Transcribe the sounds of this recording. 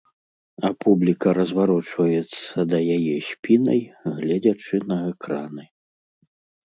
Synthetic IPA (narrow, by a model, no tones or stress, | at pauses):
apʰublʲikɐɾɐzvaɾɔt͡ʂvɐjɛt̪sːɐd̪ɐjajɛɕʲpʲinɐjɣlʲad͡zʲat͡ʂɨnɐɛkɾanɨ